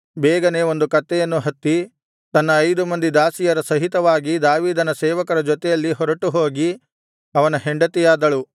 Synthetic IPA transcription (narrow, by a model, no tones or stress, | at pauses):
bɛːɡɐne̞o̞nd̪ukɐt̪ːɛjɐnːuɦɐt̪ːi | t̪ɐnːɐːjd̪umɐnd̪id̪aːsijɐɾɐsɐɦit̪ɐʋaːɡid̪aːʋiːd̪ɐnɐsɛːʋɐkɐɾɐd͡ʒɔt̪ɛjɐlːiɦɔɾɐʈuɦoːɡi | ɐʋɐnɐɦeɳɖɐt̪ijaːd̪ɐɭu